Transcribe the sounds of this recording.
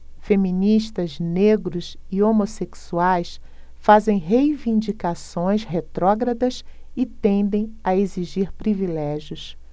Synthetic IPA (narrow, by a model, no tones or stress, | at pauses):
femĩniʃt̪ɐzneɡɾʊs | iomoseksuajs | fazẽj̃ɦejvĩnd͡ʒikasõj̃sɦet̪ɾɔɡɾɐd̪ɐs | ɪt̪ẽnd̪ẽj̃ɐeziʒiɾpɾivilɛʒjʊs